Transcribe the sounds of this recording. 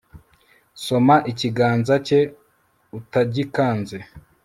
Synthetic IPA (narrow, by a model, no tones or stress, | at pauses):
so̞maʔiciɡaːnzace̞ | utaɟikaːnze